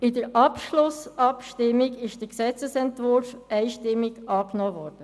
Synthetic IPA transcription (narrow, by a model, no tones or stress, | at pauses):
ɪdəɾʔɑpʃlʊsɑpʃtɪmːɪɡɪʃd̥əɾksɛt͡səsɛntvʊɾfɛɪʃtɪmːiɡɑːknɔːvɔːɾd̥ə